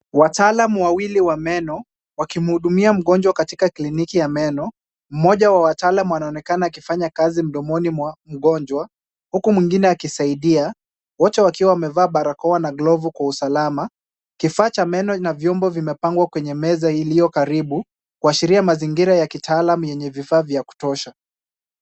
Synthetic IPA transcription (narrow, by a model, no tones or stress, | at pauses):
wataːlamuwawiliwamɛnɔ | wakim̩huɗumiam̩ɠɔnd͡ʒwakatikaklinikijamɛnɔ | m̩mɔʄawawataːlamuwanaɔnɛkanaːkifaɲakazim̩ɗɔmɔnimwam̩ɠɔɲd͡ʒwa | hukumwiŋɡinɛakisaiɗia | wɔtɛwakiwawamɛvaːɓaɾakɔwanaɡlɔvukwausalama | kifaːt͡ʃamɛnɔnavjɔmbɔvimɛpaŋɡwakwɛɲɛmɛzailijɔkaɾiɓu | kuaʃiɾiamaziŋɡiɾajakitaːlamujɛɲɛvifaːvjaku̥tɔʃa